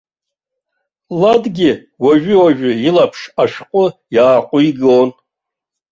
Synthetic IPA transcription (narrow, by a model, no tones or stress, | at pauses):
ladɡʲɪ | waʒᶣʏwaʒᶣʏilapʰʂaʃᶣqʷʼʊjaːqʷʼʊiɡon